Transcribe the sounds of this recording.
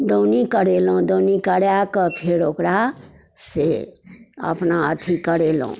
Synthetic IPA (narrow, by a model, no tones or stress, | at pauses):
d̪onikəɽelõd̪onikəɽjakəpʰeɾokɾa | se | ə̰pnaə̰t̪ʰikəɾelõ̰